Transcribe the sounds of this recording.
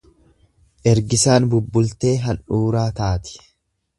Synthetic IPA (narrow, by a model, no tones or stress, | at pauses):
ʔɛɾɡɪsaːnbʊbːʊlt̪e̞ːɦɐnʔuːɾaːt̪aːt̪ɪ̥